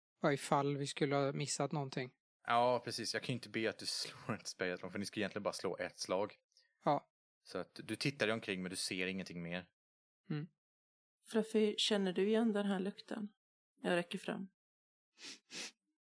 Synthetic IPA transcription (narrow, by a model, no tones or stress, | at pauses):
vaɪfalːvɪskɵlːəhɑmɪsːat̪nɔnt̪ʰɪŋː | jɑːpʰɾɛsiːsjɑːkʰanʏɪnt̪əbeːat̪̚d̪ɵsloːɾɪnt̪ə̥spɛjaslɔŋfœnɪskaɛjɛnlɪəbɑːɾaslo̰ːʔɛt̪slɑːɡ | ɑː | sɔat̪d̪ɵt̪ʰɪt̪ːaɾɛɔmkʰɾɪŋːmɛnd̪ɵseːɾɪŋːənt̪ʰɪŋːmeːɾ̩ː | fɾafɪɕɛnːəɖɵɪjɛnːd̪ɛnɦæɭɵkt̪ʰə̰n | jɑɾɛkːəɾfɾa̰mː